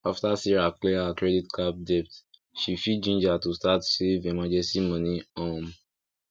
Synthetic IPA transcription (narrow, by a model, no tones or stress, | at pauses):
aftasiɹaklɛhakɹɛditkʰab̚dɛp̚tʃifid͡ʒĩnd͡ʒatustatsevemad͡ʒɛsimɔ̃niɔ̃m